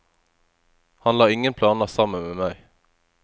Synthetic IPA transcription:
hɑnlɑːɪŋənpʰlɑːnɑsɑmənmeːmæɪ

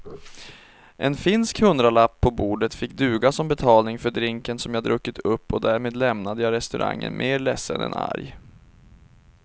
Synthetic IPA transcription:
ʔɛnfɪnskhɵnd̪ɾalapʰːɔbuːɖət̪fɪkːd̪ʉ̟ːɡasɔmbɛt̪ʰɑːlnɪŋfœɖɾɪŋkənsɔmjɑːd̪ɾʔɵkːɪt̪ʰɵpːɔd̪æːɾmeːd̪lɛmnad̪əjɑːɾɛst̪ɵɾʔa̰ŋːə̰nmʔeːɾlɛsːənɛ̰na̰ɾj

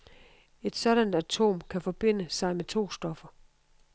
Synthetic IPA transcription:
e̝d̥sɒ̽ɾ̥ænd̥æt͡sʰo̝̰ːmkʰæfɒ̽b̥e̝n̰əsɑ̈ɪmet͡sʰo̝̰ːsd̥ɒ̽fɐ

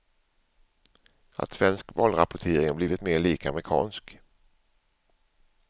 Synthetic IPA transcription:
a̰t̪svɛnskvɑːlɾapʊʈʰeːɾɪŋhabliːvɪt̪meːɭiːka̰mɾɪkʰɑ̰ːnsk

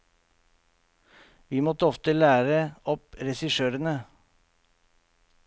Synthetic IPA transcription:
ʋiːmɔt̪əɔft̪əlæːɾəɔpɾɛsɪʃøːɾənə

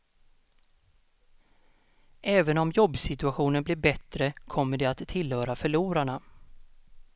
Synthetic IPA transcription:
ʔɛːvənɔmjɔbːsɪt̪ɵaɧuːnənblɪːɾbɛt̪ɾəkʰɔmːəɖɛat̪ʰːɪlhœːɾafœɭuːɾaɳa

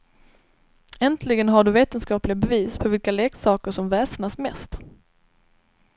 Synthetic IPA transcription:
ɛnt̪ʰlɪɡənɦaɖɵveːt̪ənskɑːplɪɡabɛviːspʰɔvɪlkaleːksɑːkəʂɔmvɛːsnasmɛ̰st̪

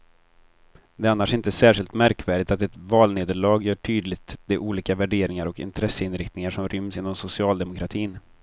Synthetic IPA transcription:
d̪ɛanːaʂɪnt̪əæsæːʂɪlt̪mæɾkvæːɖɪt̪at̪ɛt̪vɑːlneːd̪əɭɑːɡjœːʈʰyːd̪lɪt̪d̪ɛʔuːliːkavæɖeːɾɪŋaɾɔkɪ̰nt̪ʰɾɛsːəɪnɾɪkt̪nɪŋaʂɔmɾʏmsɪnːɔmsʊsɪɑːld̪ɛmʊkɾat̪ʰiːn

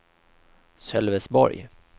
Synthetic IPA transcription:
sœlvɛsbɔ̰ɾj

